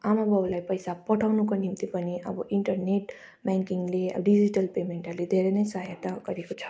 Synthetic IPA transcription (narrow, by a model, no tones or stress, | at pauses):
amabʱʌblajpʌjsapʌʈʰawnukonimt̪ipʌniʔʌ̰bʌʔiɳʈʌrneʈ | baŋkiŋɡleʌ̰bɖid͡ziʈʌlpemeɳʈʌrled̪ʱeɾenʌjsʌɦjat̪aɡʌɾekot͡sʰʌ̥